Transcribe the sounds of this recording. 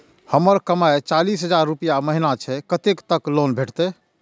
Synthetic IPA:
həməɾkəmaet͡ʃalisɦəd͡ʒaɾːupijaməɦinat͡ʃʰɛkət̪ekt̪əklonbʱeʈʰt̪ɛ

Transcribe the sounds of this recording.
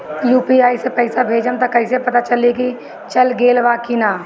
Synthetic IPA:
juːpiaːisepɛɪsabʱeːd͡ʒəmt̪akɐɪsepɐt̪at͡ʃɐliki | t͡ʃɐlɡeːlʋaːkinaː

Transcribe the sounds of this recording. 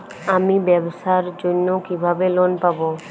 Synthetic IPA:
amĩbɛbsaɾd͡ʒʊnːokibʱabelonpabo

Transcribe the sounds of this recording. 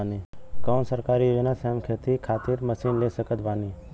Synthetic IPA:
nikaːnsəɾkaːɾiʋenasaːmkʰeːt̪ikʰaːt̪iɾməsiːnlesəkət̪baːniː

